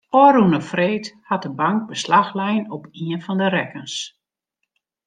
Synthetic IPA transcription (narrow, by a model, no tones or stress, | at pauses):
ɔɾunəfreːthat̚dəbaŋk̚bəslaxlɛjnɔpiənfɔndəɾɛkəns